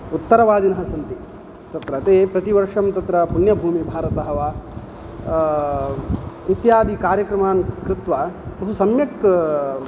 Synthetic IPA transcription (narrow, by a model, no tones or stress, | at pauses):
ut̪ːɐɾɐʋaːd̪inɐɦɐsɐnt̪i | t̪ɐt̪ɾɐt̪eːpɾɐt̪iʋɐɾʂɐmt̪ɐt̪ɾɐpunjɐbʱuːmibʱaːɾɐt̪ɐɦɐʋaː | it̪jaːd̪ʱikaːɾjɐkɾɐmaːnkɾɪt̪ʋapɾɐbʱusɐmjɐk